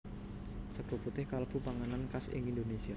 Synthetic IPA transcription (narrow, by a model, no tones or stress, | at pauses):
səɡ̥o̤put̪ɪhkalb̥upaŋanankasɪ̰ŋind̪onesia